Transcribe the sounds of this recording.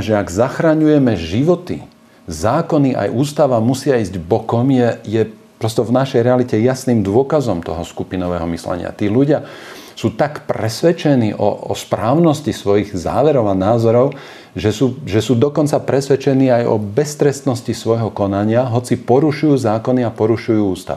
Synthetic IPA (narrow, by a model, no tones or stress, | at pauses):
ʒɛaɡzaxɾaɲujɛmɛʒiʋɔt̪i | zaːkɔniʔa̰jʔuːst̪aʋamusɪaiːzɟbɔkɔmjɛjɛpɾɔst̪ɔvnaʃɛjɾɛalicɛjasniːmd̪ʊɔkazɔmt̪ɔ̰ɦɔskupinɔʋɛːɦɔmislɛ̰ɲɪ̰a̰t̪iːluɟɪa | suːt̪akpɾɛsʋɛt͡ʃɛnḭːʔɔ̰ɔ̰spɾaːʊnɔscisʋɔjiɣza̰ːʋɛɾɔʊanaːzɔɾɔʊ | ʒɛsuːʒɛsuːd̪ɔkɔnt͡sapɾɛsʋɛt͡ʃɛniːajɔ̰bɛst̪ɾɛst̪nɔscisʋɔjɦɔkɔnaɲɪaɦɔt͡sipɔɾuʃujuːzaːkɔniapɔɾuʃujuːuːst̪a̰ʋi